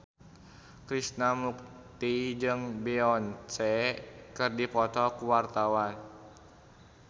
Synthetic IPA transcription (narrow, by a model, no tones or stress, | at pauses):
kɾisnamuk̚t̪id͡ʒɨŋbɛɔnt͡ʃɛkɨrdipɔt̪ɔkuwart̪awan